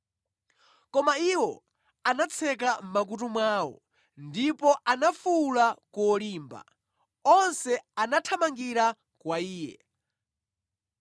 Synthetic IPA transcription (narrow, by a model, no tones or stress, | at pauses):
kɔmaiwɔ | anat͡sʰɛk̬am̩mak̬utumwaːwɔ̰ | ndipɔʔanafulakuɔliːmba̰ | ɔnsɛanatʰamaŋɡiɾa | kwaiːjɛ̰